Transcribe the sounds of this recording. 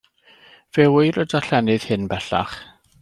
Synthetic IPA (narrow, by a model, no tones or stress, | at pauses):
v̥ɛwɪjɾədaɬɛnɨð̥hɪnbɛɬa̰χ